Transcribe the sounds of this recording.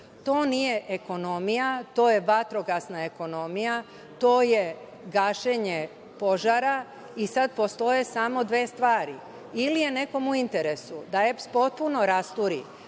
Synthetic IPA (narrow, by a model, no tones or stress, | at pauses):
t̪o̞ːnije̞ʔeko̞no̞mijat̪o̞ːjeʋat̪ɾo̞ɡasnae̞ko̞no̞mija | t̪o̞ːje̞ | ɡaːʃeɲe̞ | po̞ʒaɾa | isad̪̚po̞st̪o̞je̞samo̞d̪ʋe̞ːst̪ʋaːɾi | ilije̞ne̞ko̞muint̪e̞ɾe̞sud̪ae̞pspo̞t̪̚puno̞ɾast̪uɾi